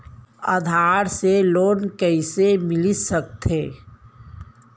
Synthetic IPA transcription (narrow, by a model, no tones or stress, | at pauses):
a̰d̪ʱaːɾseloːnkəɪsemɪlisək̚t̪eː